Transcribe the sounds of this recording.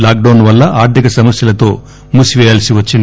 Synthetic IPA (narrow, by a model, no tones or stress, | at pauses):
laːk̚ɖɐwnʋɐlːɐʔaːɾt̪ʰikɐsɐmɐsjɐlɐt̪o̞ː | musiʋɛːjaːlsiʋɐt͡ʃːin